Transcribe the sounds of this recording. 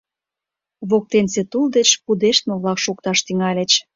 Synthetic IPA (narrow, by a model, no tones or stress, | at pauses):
βok̚t̪enset̪uld̪et͡ɕpud̪eʃt̪mə̆βlɑkʃokt̪ɑʃt̪yŋɑlʲet͡ɕ